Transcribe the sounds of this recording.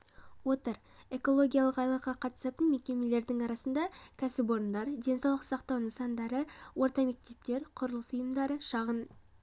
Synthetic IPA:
wo̞t̪əɾ | e̞ko̞lˠo̞ɡʲijalˠəqɑjlˠəqːɑqʰɑt̪ə̥sɑt̪ənme̞kʲe̞me̞le̞ɾd̪ɪŋɑɾɑsənd̪ɑkʲʰæsɪp̬o̞ɾənd̪ɑɾd̪e̞nsɑwlˠəqsɑqt̪ɑwnəsɑnd̪ɑɾəwo̞ɾt̪ɑme̞k̚t̪e̞p̚t̪e̞ɾqʰʊɾəlˠəsʊjəmd̪ɑɾəʃɑʁən

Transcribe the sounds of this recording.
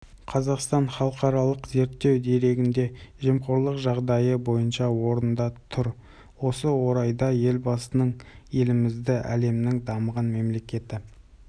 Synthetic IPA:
qʰɑzɑqst̪ɑnχɑlˠəqɑɾɑlˠəqze̞ɾt̪ːe̞wd̪e̞ɾe̞ɡʲɪnd̪e̞ʒemqoɾlˠəqʒɑʁd̪ɑjəbo̞jənʃɑwo̞ɾənd̪ɑt̪ʰʊɾ | wo̞səwo̞ɾɑjd̪ɑje̞lbɑsənəɴje̞lɪmɪzd̪ɪʔæ̰le̞mnɪŋd̪ɑməʁənme̞mle̞kʲe̞t̪ɪ

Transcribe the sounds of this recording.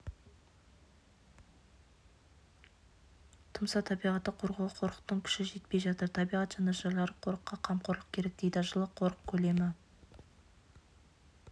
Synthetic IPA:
t̪ʰəmsɑt̪ʰɑbijʁɑt̪ːəqʰoɾʁɑlˠəqʰo̞ɾə̥q̚t̪əŋkʲʰʏ̥ʃɪʒe̞t̪̚pe̞jʒɑt̪əɾt̪ʰɑbijʁɑt̪ʒ̥ɑneʒɑlˠɑɾəqʰo̞ɾəqːɑqʰɑmqʰoɾlˠəq̚kʲʰe̞ɾe̞k̚t̪ejd̪ɪʒəlˠəqʰːo̞ɾəq̚kʲʰɵle̞mɪ

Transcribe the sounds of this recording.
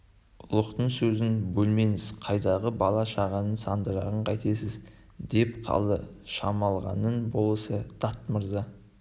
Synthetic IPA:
ʊlˠəqt̪əɴsɵzɪnbɵlme̞ŋɪz̥qʰɑjd̪ɑʁəbɑlˠɑʃɑʁɑnənsɑnd̪əɾɑʁəɴqʰɑjt̪esɪz | d̪e̞pqʰɑ̰lˠəʃɑmɑlˠʁɑ̰nənbo̞lˠəsəd̪̥ɑt̪məɾzɑ

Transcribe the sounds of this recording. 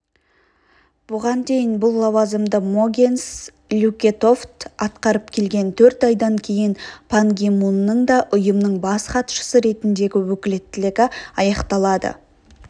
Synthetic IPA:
b̥ʊʁɑnd̪e̞jɪnbʊlˠːɑwɑzəmd̪əmo̞ɡʲens | lʲukʲe̞t̪o̞ft̪ɑt̪qɑɾəp̚kʲʰe̞lɡʲe̞nt̪ʰɵɾt̪ɑjd̪ɑŋkʲʰe̞jɪnpʰaŋɡʲimunːəɴd̪ɑʔʊjəmnəɴbɑsqɑt̪ʃə̥səɾe̞t̪ɪnd̪e̞ɡʲɪwɵkʲɪle̞t̪ːɪleɡʲɪɑjɑqt̪ɑlˠɑd̪ə̰

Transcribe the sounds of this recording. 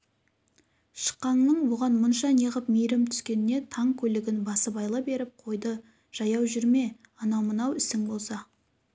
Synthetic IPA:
ʃə̥qːɑɴnəɴwo̞ʁɑnmənʃɑneʁəpmejɾɪmt̪ʰʏ̥skʲe̞nɪne̞t̪ʰɑŋkʲʰɵlɪɡʲɪnbɑsəbɑjlˠəbe̞ɾɪp̚qʰo̞jd̪ə | ʒ̥ɑjɑwʒʏɾme̞ | ɑnɑwmənɑwɪsɪŋbo̞lˠsɑ

